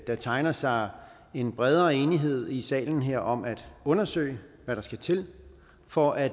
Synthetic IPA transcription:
d̥ɑ̈t͡sʰɑ̈ɪnɐsɑ̈ɪ | e̝nb̥ʁɛð̞ˠɐːe̝ːniɦe̝ð̞̰ˠisɛ̰ːln̩ɦeɐ̰ʔɒ̽mæd̥ɔ̽nɐsø̰ɪʋæɾɑ̈sɡ̥æt͡sʰe̝l | fɒʔæ̥

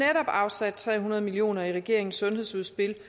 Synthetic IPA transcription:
neɾɒ̽b̥ɑ̈ʊsæd̥̚t͡sʰʁɛ̰ːɦunɐð̞̩ˠmilio̝̰ːnɐiʁɛɡ̥e̝ɐ̰e̝ŋn̩sɔ̽nhe̝ðˠsuð̞ˠsb̥el

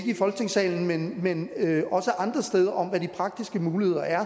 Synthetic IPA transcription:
ɡəifɒ̽lɡ̥ət͡sʰe̝ŋ̰sɛ̰ːln̩menmenøɒ̽səʔɑ̈nd̥ʁɐsd̥eð̞ˠɐʔɒ̽m̰ʋædipʰʁɑ̈ɡ̥̚d̥isɡ̥əmuːlihe̝ð̰ˠɐæɐ

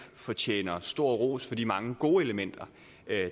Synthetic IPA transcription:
fɒ̽t͡ɕʰḛːnɐsd̥o̝ɐ̰ʁo̝̰ːsfɒ̽d̥ḭːmɑ̈ŋəɡ̥o̝ːe̝ləmen̰d̥ɐ

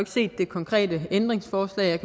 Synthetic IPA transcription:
e̝ɡ̥se̝̰ːd̥ːe̝kʰɒ̽ŋkʰʁɛ̰ːdəend̥ʁeŋsfɒːslɛ̰ːɪjɑ̈ɪkʰæ

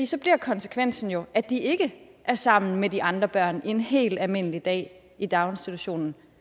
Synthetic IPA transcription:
ḭːsɒ̽b̥liɐ̰kʰɒ̽nsə̥kʰʋen̰sn̩jo̝ʔæd̥iʔe̝ɡ̥ə | ʔæɐsɑ̈m̰n̩mediʔɑ̈nd̥ʁɐb̥ɶɐ̰ne̝nɦe̝̰ːld̥ælme̝n̰əlid̥ɛ̰ː | id̥ɑ̈ʊensd̥it͡sʰuɕo̝̰ːnn̩

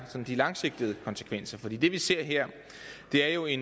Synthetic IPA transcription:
sɒ̽nd̥ilɑ̈ŋse̝ɡ̥̚d̥əð̩ˠəkʰɒ̽nsə̥kʰʋen̰sɐfɒ̽d̥ḭːd̥e̝ʋise̝ɐ̰ɦeɐ̰ | d̥e̝æɐjo̝e̝n

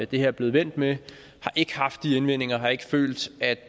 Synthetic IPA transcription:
d̥e̝heɐ̰b̥le̝ð̩ˠʋen̰d̥me | hɑ̈ʔe̝ɡ̥əhɑ̈fd̥ːienʋen̰e̝ŋɐɦɑ̈e̝ɡ̥ə̥fø̰ːld̥æd̥

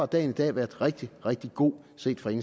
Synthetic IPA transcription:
ɑd̥ɛ̰ːnid̥ɛ̰ːʋæɐd̥ˠʁeɡ̥̚d̥iʁɛɡ̥̚d̥iɡ̥o̝̰ː | se̝̰ːd̥fɒe̝ŋ

